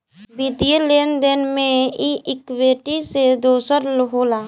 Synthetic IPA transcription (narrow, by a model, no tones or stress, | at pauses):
bɪd̪ijəleːnd̪enmẽiɪkweːʈised̪oːsəɾlɦoːlaː